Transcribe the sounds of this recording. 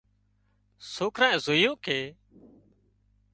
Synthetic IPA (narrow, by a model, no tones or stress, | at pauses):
soːkʰɾãːzoːjõːkʰeː